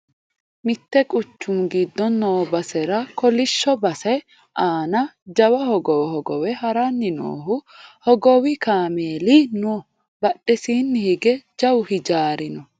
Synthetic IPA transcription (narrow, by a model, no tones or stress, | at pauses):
mɪt̪ːɛkʼʊt͡ʃːʊmɡɪd̪ːɔnːɔːbɐsɛɾɐkɔlɪʃːɔbɐsɛ | ʔaːnɐd͡ʒɐwɐhɔɡɔwɛhɔɡɔwɛhɐɾɐnːɪno̰ːɦʊhɔɡɔwɪkaːmeːlino | bɐɗːɛsiːnːɪhɪɡɛd͡ʒɐwhɪd͡ʒaːɾɪnɔ